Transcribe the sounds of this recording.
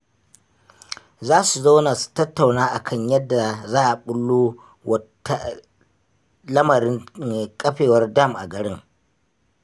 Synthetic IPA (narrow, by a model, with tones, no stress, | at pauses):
zaː˦su˨za˦wna˨stɐ˦tːa˨wnaː˦ʔa˨kʰɐ˦˨ɲjɐ˦dːa˨zaː˦ʔa˨ɓʊ˦lːoː˦ | wɐ˦ | lɐ˦mɐ˨ɾɪ˦ŋkʼɐ˦ɸeː˨wɐ˦rda˦˨mʔa̰˨ɡɐ˨ɽɪ˦ŋ